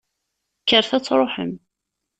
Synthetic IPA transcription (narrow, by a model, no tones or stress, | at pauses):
kːəɾˤθæt͡sːɾˤoħə̰m